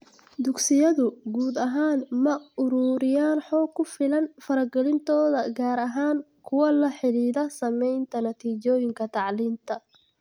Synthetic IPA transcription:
d̪ʊɡsɪjɐðʊɡuːd̪ɐɦaːnmɐʊɾuːɾɪjaːnħɔːkʰːʊfɪlɐnfɐɾɐɡɛlɪnt̪ʰɔːðɐɡaːɾɐɦaːŋkʰʊwɐlɐħɪliːðɐsɐmɛjnt̪ʰɐnɐt̪ʰiːt͡ʃɔːjɪŋkʰɐt̪ʰɑʕliːnt̪ʰɐ

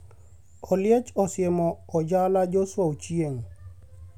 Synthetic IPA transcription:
ɔljɛt͡ʃɔsjɛmɔɔd͡ʒalad͡ʒɔswaut͡ʃieŋ

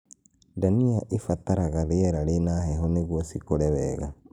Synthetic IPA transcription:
daniaʔefat̪aɾaɣaðeɛɾaɾenahɛɦɔneɣwɔsikoɾɛβɛɣa̰

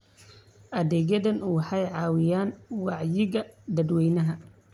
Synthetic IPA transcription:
ʔɐðɛːɣɐðɐnʔuwħɑjʕɑːwɪjaːnwɑʕjɪɣɐd̪ɐd̪wɛjnɐɦɐ

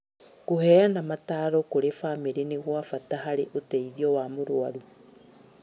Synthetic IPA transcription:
kohɛːanamataːɾɔkoɾefameɾeneɣwafataɦaɾeʔotɛiðiɔwamoɾwaɾu

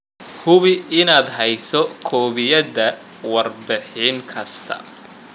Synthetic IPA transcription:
hʊβɪɪnaːd̪ɦɛjsɔkʰɔːβɪjɐdɐ | wɑrbɪħiːŋkʰɐst̪ʰɐ̰

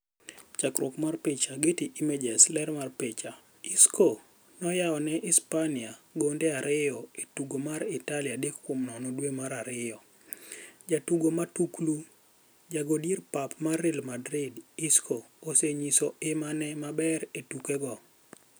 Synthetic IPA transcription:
t͡ʃakɾokmarpɪt͡ʃaɡetiʔimed͡ʒɛslɛɾmarpet͡ʃa | iskʰo | nɔjaɔnɛʔɪspaniaɡondeaɾɪjɔetuɡomaɾɪtalɪadekkwomnɔnɔdwemaɾaɾɪjɔ | d͡ʒatuɡomatuklu | d͡ʒaɡodirpapmarilmadɾɪdiskʰo | oseɲisɔemanɛmabɛɾetukɛɡɔ

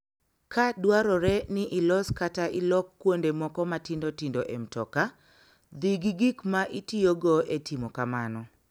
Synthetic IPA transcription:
kadwaɾɔɾɛnɪʔɪlɔskataʔɪlɔkːwondemɔkɔmatɪndotindoʔɛmtɔka | d̪iɡiɡikmaʔitioɡɔetimɔkamanɔ

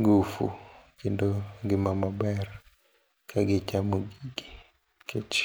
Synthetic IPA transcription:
ɡufṵkindɔɡɪmamabɛr | kʰaɡɪt͡ʃamoɡiɡi | ket͡ʃ

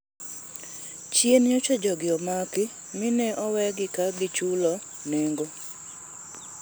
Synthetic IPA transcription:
t͡ʃjenjot͡ʃɔd͡ʒɔɡɪɔmakɪ | mɪnɛʔɔwɛɡɪkaɡɪt͡ʃulɔ | neŋɡo

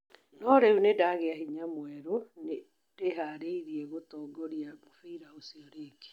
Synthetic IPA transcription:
nɔɾeunedaɣeahiɲamwɛɾone | d̥eɦaɾeiɾiɛɣotɔɡɔɾiamofiiɾaosiɔɾeɡe̥

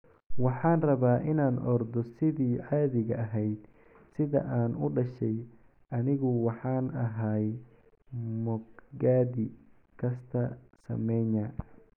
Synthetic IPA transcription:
wɑħɑːnrɐβaːʔɪnaːnʔɔrd̪ɔsɪðiːʕɑːðɪɣɐʔɐɦɛjd̪ | sɪðɐ̰ʔaːnʊɖɐʃɛj | ʔɐnɪɣʊwɑħɑːnɐɦaj | mɔɡɡaːðɪ | kʰɐst̪ʰɐsɐ̰mɛnaː

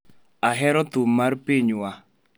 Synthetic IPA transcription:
aɦɛɾɔt̪ʊmːarpiɲwa

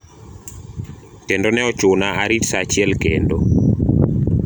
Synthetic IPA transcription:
tendonɛɔt͡ʃʊnaaɾitsat͡ʃiɛlkendo

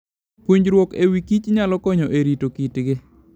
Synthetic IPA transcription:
puɲd͡ʒɾwokewikit͡ʃɲalɔkɔɲɔʔeɾitokitɡɪ

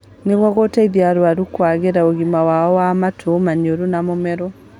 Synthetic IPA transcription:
neɣwɔɣotaiðjaɾwaɾukwaɣeɾaoɣimawaɔwamatʰomaɲoɾunamomɛɾɔ

